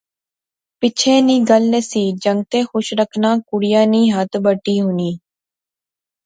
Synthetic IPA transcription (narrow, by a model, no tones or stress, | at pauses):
pɪt͡ʃʰẽːniːɡəlːeːsiːd͡ʒəŋɡ̚t̪eːxʊʃɾəkʰnãːkʊɽɪjãːniːɦət̪bəʈːiːɦʊniː